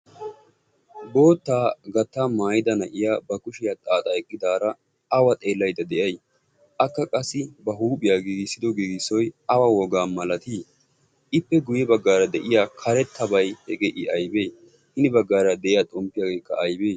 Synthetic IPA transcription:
bo̞ːt̪ːaːɡɐt̪ːaːmaːjɪd̪ɐnɐʔɪjaːbɐkʊʃɪjat̪ʼaːt̪ʼɐɛkʼːɪd̪aːɾɐ | ɐwɐt̪ʼe̞ːlːɐjd̪ɐd̪ɛʔɐj | ʔɐkːɐkʼɐsːɪbɐɦuːpʼɪjaːɡiːɡɪsːɪd̪ɔɡiːɡɪsɔjɐwawɔɡaːmɐlɐt̪iː | ʔɪpːɛɡʊjɛbɐɡːaːɾɐd̪ɛʔɪjaːkʰɐɾɛt̪ʰːɐbɐjhɛɡeʔɪɐjbeː | hɪnɪbɐɡːaːɾɐd̪ɛʔɪjat̪ʼɔmpːɪjaːɡe̞ːkːɐɐjbeː

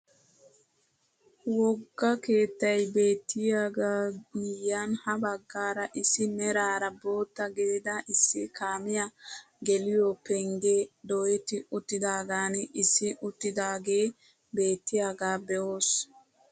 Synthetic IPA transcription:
wɔɡːɐke̞ːt̪ːɐjbe̞ːt̪ːɪjaɡaːɡɪjːanhɐbɐɡːaːɾɐʔɪsːɪmɛɾaːɾɐbo̞ːt̪ːɐɡeːd̪aʔɪsːɪkaːmɪjɐ | ɡɛlɪjopɛŋɡeːd̪ojɛt̪ːɪʊt̪ːɪd̪aːɡaːnɛʔɪsːɪʔʊt̪ːɪd̪aːɡe̞ː | be̞ːt̪ːɪjaɡaːbɛʔoːs

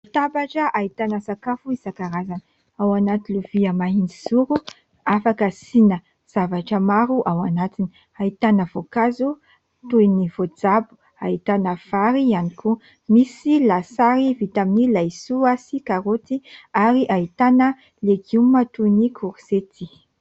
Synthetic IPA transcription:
it̪abaʈ͡ʂəʔait̪anəsakafuizakaɾazanə | awanat̪iluviəmaɦinizuɾu | afakəsinə | z̥avaʈ͡ʂəmaɾuʔawanat̪ini | ait̪anəvokazu | t̪ujinivod͡zabu̥ | ait̪anəv̥aɾianikʰu | misilasaɾivit̪aminilajsuasikaɾot̪iaɾiʔait̪anə | leɡumːat̪ujnikʰuɾset̪i

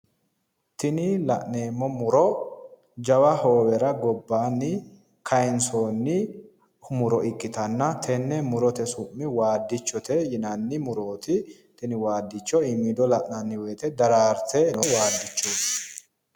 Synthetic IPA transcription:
t̪ɪnɪlɐʔneːmːɔmʊɾɔ | d͡ʒɐwɐho̞ːwɛɾɐɡɔbːaːnːɪ | kʰɐjɛnsoːnːɪ | hʊmʊɾɔʔɪkʼːɪt̪ɐnːɐt̪ʰɛnːɛmʊɾɔt̪ɛsʊmːɪwaːd̪ːɪt͡ʃːɔt̪ɛjɪnɐnːɪmʊɾo̞ːt̪ɪ | t̪ɪnɪwaːd̪ːɪt͡ʃːɔɪmɪd̪ɔlɐʔnɐnːɪwɛːt̪ɛd̪ɐɾaːɾt̪ʰɛnɔwaːd̪ːɪt͡ʃːoːs

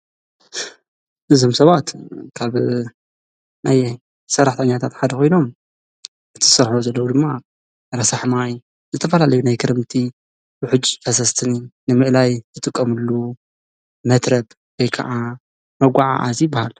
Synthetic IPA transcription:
ʔɨzo̞msɐβat̪kʰaβ | naj | sɐɾːaħt̪ʰɐɲːat̪ʰat̪ħad̪ɐkʰo̞jno̞m | ʔɨt̪ʰɨsɐɾħozɐlːɐwud̪ɨmːa | ɾɐsaħmaj | zɨt̪ʰɐfɐlalɐjunajkʰɨɾɨmt̪ʰi | bɨħɨd͡ʒfɐsɐst̪ʰɨninɨmɨʔlajt̪ʰɨt̪ʼɨkʼːɐmɨlːu | mɐt̪ɾɐb | wojkʰɐ̰ʔa | mɐɡʷaʕa̰ʔa̰zibahal

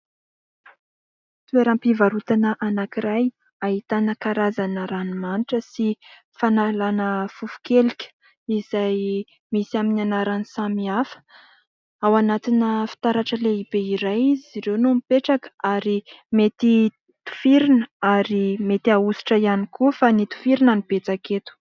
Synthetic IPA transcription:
t̪ueɾampivaɾut̪anəʔanakiɾaj | aɦit̪anəkaɾazanəɾanimaniʈ͡ʂəsi | fanalanəfufu̥kelikʲə̥ | iz̥aj | misiaminanaɾanisamiafə̥ | awanat̪inəfi̥t̪aɾaʈ͡ʂəleibeiɾajiziiɾewnumipeʈ͡ʂakə̥aɾimet̪i | t̪u̥fiɾinəaɾimet̪iausi̥ʈ͡ʂəijanikufanit̪u̥fiɾinanib̥et͡saket̪u̥

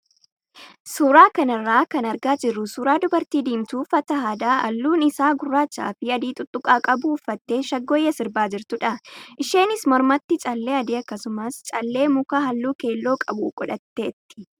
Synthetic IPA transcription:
suːɾaːkɐnɐrːaːkɐnɐɾɡaːd͡ʒɪrːʊsuːɾaːd̪ʊbɐɾt̪iːd̪iːmt̪uːfɐt̪ɐhaːd̪aːʔɐlːuːnɪsaːɡʊrːaːt͡ʃːa̰ːfiːɐd̪iːt̪ʼʊt̪ʼːʊkʼaːkʼɐbuːfːɐt̪ːe̞ːʃɐɡːɔjɐsɪɾbaːd͡ʒɪɾt̪ʊᶑɐʔɪʃe̞ːnɪsmɔɾmɐt̪ːɪt͡ʃʼɐlːe̞ːɐd̪iːɐkːɐsʊmɐst͡ʃʼɐlːe̞ːmʊkaːɦɐlːuːke̞ːlːo̞ːkʼɐbṵkʼɔᶑɐt̪ːeːt̪ːɪ̥

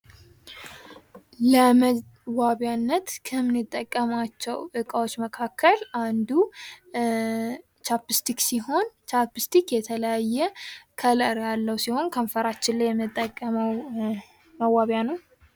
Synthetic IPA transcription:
ləmə | waβjanːət̪kʰəmːɨnɨt̪ʼːəkʼːəmat͡ʃːɛwʔɨkʼəwot͡ʃːməkʰakʰːəlʔand̪u | t͡ʃapɨst̪ʰiksiɦo̞nt͡ʃapɨst̪ʰikjɛt̪ʰələjajːɛkʰələɾjalːəwsiho̞nkʰəmfəɾat͡ʃːɪnlːajɛmːɨt̪ʼːəkʼːəməw | məwaβjanəw

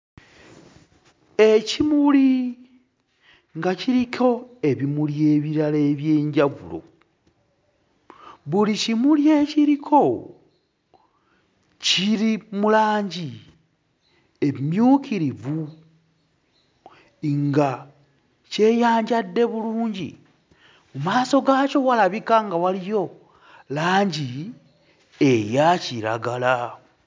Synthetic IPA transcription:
ecimuli | ŋɡaciɾico̞eβimulje̞ːβiɾale̞ːβjeːɲɟaβṵlo̞̰ | βulicimulje̞ːciɾikʰo̞ | ciɾimulaːɲɟi | e̞mjuːkiɾivu | ŋɡa | ce̞ːjaːɲɟadːe̞βuluːɲɟḭ | mumaːso̞ɡaːco̞walaβikaŋɡawalijo̞ | laːɲɟi | e̞jaciɾa̰ɡala

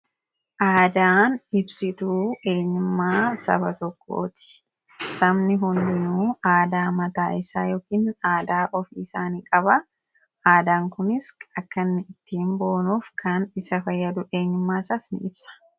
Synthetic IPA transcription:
ʔaːd̪aːnɪbsɪt̪uːe̞ːɲːʊmːaːsɐ̰bɐt̪ɔkːo̞̰ːt̪ɪ̥ | sɐmnɪɦʊnd̪ɪnuːaːd̪aːmɐt̪aːʔɪsaːjo̞ːkiːnaːd̪aːʔɔfiɪsaːniːkʼɐbɐ | ʔaːd̪aːŋkʊnɪsɐkːɐnːɪɪt̪ːiːmbo̞ːnuːfkʰɐnɪsɐfɐjːɐd̪ʊʔeːɲːʊmːaːsɐsnɪ̰ɪbsɐ̥

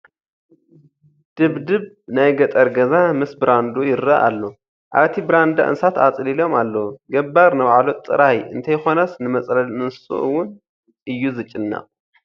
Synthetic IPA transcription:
d̪̥ɨβd̪ɨβ | najɡɐt̪ʼɐɾɡɐzamɨsbɨɾand̪ujɪɾːaʔa̰lːo | ʔaβt̪ʰibɾand̪a̰ʔɨ̰nsat̪at͡sʼlilo̞malːɐwuɡɐbːaɾnɨβʕalot̪ʼːɨ̰ɾajɨ̰nt̪ʰɐjxo̞nɐsnɨmɐt͡sʼlɐlnɨnsṵʔɨwːʊn | ʔɨjːuzɨt͡ʃʼːɪnːa̰ʔʼ

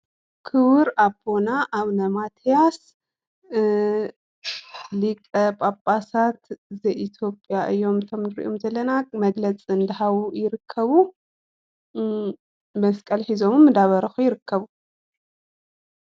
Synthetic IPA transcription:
kʰɨβɨɾabʰo̞naʔaβnɐmat̪ʰijas | likʼɐpʼapʼasat̪zɐjʔit̪ʰjo̞pʼjaʔɨjːo̞mt̪ʰo̞mnɨɾḭʔomzɐlːɐnamɐɡlɐt͡sʼiɨnd̪ɐhaβujɪɾɨkʰːɐβu | mɐskʼɐlħizo̞mɨmːɨd̪aβɐɾɐxujɪɾɨkʰːɐβu

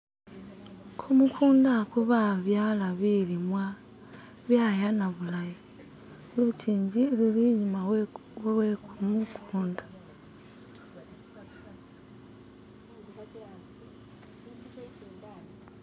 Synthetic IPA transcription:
kʰumukʰuːndakuβaβjalaβilimwa | βjajanaβulaji | lutiːɲd͡ʒililiɲima | wwekumukʰuːndḁ

